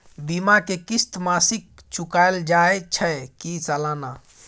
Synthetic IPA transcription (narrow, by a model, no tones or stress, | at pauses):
bimakekist̪masik̚t͡ʃukaeld͡ʒaet͡ʃʰəkit͡ʃəlana